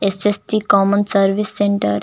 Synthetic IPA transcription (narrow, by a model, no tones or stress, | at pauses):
esesʈikɔmənsɐɾʋisːẽɳʈə̰ɾ